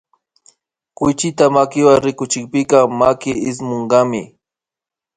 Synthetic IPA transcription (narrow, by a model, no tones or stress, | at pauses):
kʊjt͡ʃɪt̪amakɪwaŋɾɪkʊt͡ʃɪkpɪkɑmakɪɪsmoɴɢɑmɪ